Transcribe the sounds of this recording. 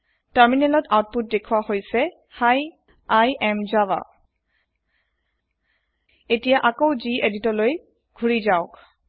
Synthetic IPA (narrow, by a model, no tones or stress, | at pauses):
taɹminɛlɔtawt̚put̚dekʰuwahojsɛ | xaj | ajɛmzawa̰ | etijaʔakowzieditɔloj | ɡ̥ʱuɹizaʊk